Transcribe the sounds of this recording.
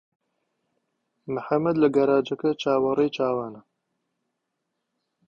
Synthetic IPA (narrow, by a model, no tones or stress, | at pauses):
mɨħamːɐd̪lɐɡɐɾaːd͡ʒɐkɐt͡ʃʰaːwɐrejt͡ʃʰaːwaːnɐ